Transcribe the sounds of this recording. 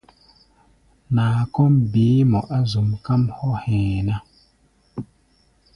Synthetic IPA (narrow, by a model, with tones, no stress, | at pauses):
naː˨kɔ˦mbiː˨˦mɔ˨ʔa˦zu˨mka˦mhɔ˦hɛ̃ː˨na˦